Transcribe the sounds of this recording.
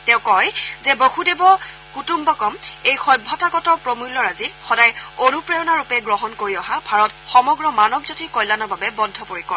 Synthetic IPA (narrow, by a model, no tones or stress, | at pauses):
tɛ̃ʊ̃kɔjzɛbohudebɔ | kutumbɔkɔmejxɔjbʱɔtaɡɔtɔpɹomulːɔɹazixɔdajonupɹeɔnaɹupɛɡɹɔɦɔnkoɹiɔɦabʱaɹɔtxɔmɔɡɹɔmanɔbzotiɹkɔjlanɔɹbabɛbɔndʱːɔpoɹikɔɹ